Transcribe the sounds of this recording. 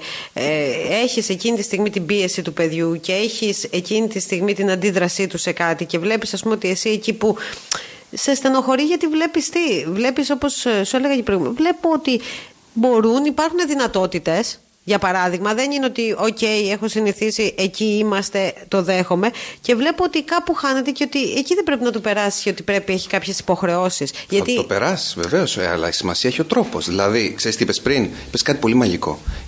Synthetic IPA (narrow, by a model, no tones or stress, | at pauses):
ee̞çise̞cinit̪ist̪iɣmit̪ibie̞sit̪upe̞ðʝuce̞eçise̞cinit̪ist̪iɣmit̪inɐnd̪iðɾɐsit̪use̞kɐt̪ice̞vle̞pisɐspumeot̪ie̞siecipu | se̞st̪eno̞xo̞ɾiʝɐt̪ivle̞pist̪ivle̞piso̞po̞ssueleɣɐcipɾɣumevle̞po̞ot̪i | bo̞ɾunipɐɾxune̞ðinɐt̪o̞t̪it̪e̞s | ʝɐpɐɾɐðiɣmɐðe̞nineot̪io̞ce̞je̞xo̞siniθisiʔeciimɐst̪e̞t̪o̞ðe̞xo̞me̞ce̞vle̞poot̪ikɐpuxɐne̞t̪e̞ceo̞t̪ieciðebɾe̞pinɐt̪upe̞ɾɐsi̥sceo̞t̪ipɾe̞pie̞çi̥kɐpçe̞si̥po̞xɾe̞o̞sisʝɐtt̪it̪opeɾɐsi̥sve̞̰ve̞o̞sɐ̰lɐ̰isimɐsiɐeçio̞t̪ɾo̞po̞̰zðilɐðikse̞ɾist̪iipespɾinipeskɐt̪i̥po̞limɐʝiko̞̰